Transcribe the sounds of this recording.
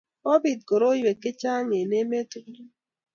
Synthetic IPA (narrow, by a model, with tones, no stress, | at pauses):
o˦bi˨t̚ɡo˨ɾo˦jwe˨kːe˦t͡ʃa˦ŋe˨ne˦me˦tu˦